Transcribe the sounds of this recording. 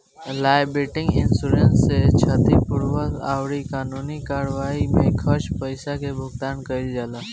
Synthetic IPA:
laːbɾeːʈɪ̃ŋɡɪnsuːɾensset͡ʃʰat̪ipʊɾwət̪a̰ːwɾikaːnuːnikaːɾʋaːimẽkʰəɾʃpəɪsakebʱʊɡt̪aːnkəɪld͡ʒaːlaː

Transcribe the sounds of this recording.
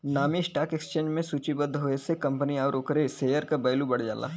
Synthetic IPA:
naːmiɪsʈaːkeksə̥t͡ʃẽːɲd͡ʒmẽsuːt͡ʃibəd̪ʱɦoːesekɐ̃mpəniaːɾoːkɾeseːjəɾkabɐːlubɐɽd͡ʒa̰ːla̰ː

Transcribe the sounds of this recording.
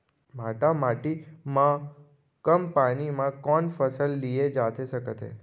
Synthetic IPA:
maʈamaʈimã | kəmpanimãkɔnfəsəlːied͡ʒat̪ʰeʃəkət̪ʰḛ

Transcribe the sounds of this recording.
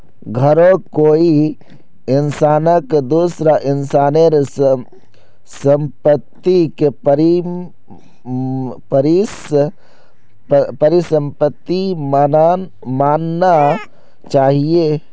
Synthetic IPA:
ɡʱəɾõkoːi | ɪnsaːnəkd̪uːsɾaʔɪnsaːneɾ | sə̃mpət̪ːikpɾi | pəɾi | pəɾisə̃mpət̪ːimana | maːnːa | t͡ʃaːɦie

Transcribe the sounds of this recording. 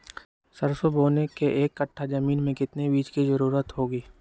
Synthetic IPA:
səɾsoboːnekeʔeːkːəʈʰːad͡ʒɐmiːnmẽkɪt̪nebiːd͡ʒkizɐɾuːɾət̪ɦoːɡiː

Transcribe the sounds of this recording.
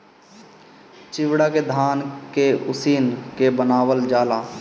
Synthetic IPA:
t͡ʃɪʋɽaked̪ʱaːnkeʊsiːnkebənaːwəld͡ʒaːlaː

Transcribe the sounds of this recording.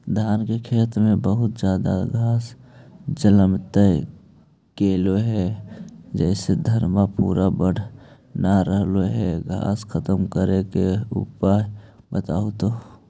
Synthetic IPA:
d̪ʱaːnkekʰeːt̪mẽbəɦʊt̪d͡ʒjaːd̪a̰ɡʱaːsd͡ʒələmt̪ə | keːloɦɛ | d͡ʒɛɪsed̪ʱəɾmapṵːɾabəɽ̤ | naɾəɦloɦɛɡʱa̰ːskʰət̪əmkəɾekeṵpa | bət̪aːʊt̪o

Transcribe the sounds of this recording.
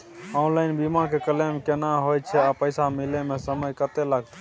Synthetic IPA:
ɔnlainbimakekəlemkenaɦojt͡ʃʰɛapəjsamilemesəməjkət̪elaɡ̚t̪

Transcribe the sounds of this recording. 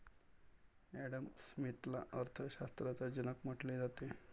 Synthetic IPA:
æɽəmsmit̪la̰əɾt̪ʰəɕast̪ɾat͡sad͡ʑənəkm̤əʈled͡zat̪e

